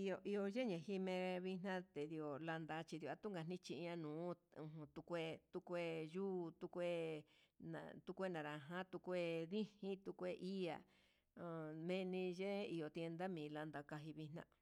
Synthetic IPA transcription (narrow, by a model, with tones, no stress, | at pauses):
i˧o˧ʔi˧o˧ʒe˦ɲẽ˨hi˦mẽ˧βi˧nã˦t̪e˨ði˧o˨la˧nd̪a˧t͡ʃi˧ði˧o˧˨a˧t̪u˦ŋɡa˧n̥ĩ˦t͡ʃi˧ã˧nũː˨˦ũ˧ɦũ˧t̪u˧kʷe˧t̪u˧kʷe˦˧juː˦˨t̪u˧kʷe˦nã̰˨t̪u˧kʷe˦nã˨ɾa˨ɦã˦t̪u˧kʷe˧ðĩ˦hĩ˦t̪u˧kʷe˧ʔi˦a̰˨˧˨ | mẽ˧nĩ˧ʒe˦i˧o˨t̪je˧nd̪a˦mĩ˨˧la˧nd̪a˧ka˧ɦi˧βi˧n̥ã̰˦